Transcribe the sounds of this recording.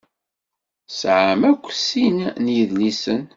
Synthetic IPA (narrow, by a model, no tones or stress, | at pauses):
sʕəmækʷːsinnjəðlisən